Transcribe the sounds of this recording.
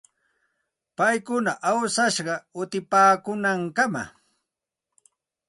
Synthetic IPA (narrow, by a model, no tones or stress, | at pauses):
pajkʊnaʔawsaʃɢɑʊt̪ɪpaːkʊnaŋkama̰